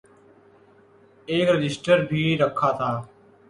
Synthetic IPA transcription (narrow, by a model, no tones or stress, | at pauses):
eːkɾɪd͡ʒɪsʈəɾbʱiːɾəkʰːaːt̪ʰaː